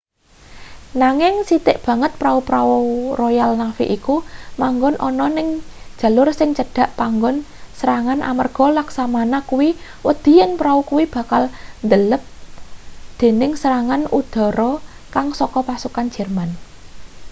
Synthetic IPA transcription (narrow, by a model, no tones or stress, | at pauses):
naŋɪŋsit̪ɪʔb̥ä̤ŋət̪̚pɾaupɾawurɔjalnafḭʔikumaŋɡʊnʔɔ̰nɔnɪŋ̥ʒ̥ä̤lʊrsɪŋt͡ʃəɖ̥a̤ʔpaŋɡʊnsəɾaŋanʔa̰mərɡ̥ɔ̤laksamanakuwi | wəd̪̥i̤jənpɾaukuwib̥a̤kalnd̪ələp̚ | d̪̥e̤nɪŋsəɾaŋanud̪̥ɔ̤ɾɔ | kaŋsɔkɔpasukan̥d͡ʒ̥ɛrman